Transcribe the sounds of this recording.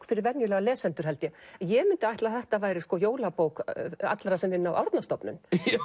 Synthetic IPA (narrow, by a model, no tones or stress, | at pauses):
kfɪɾɪɾvɛnjɪlɛːɣalɛːsɛnt̪ʏɾ̥ɦɛlt̪jɛjɛmɪnt̪ɪajht̪laθɛht̪avaːjɾɪskɔjoːwlapoːwka̰t̪laɾasɛmɪnːawʔa̰wɾt̪nast̪ɔpnʏ̰n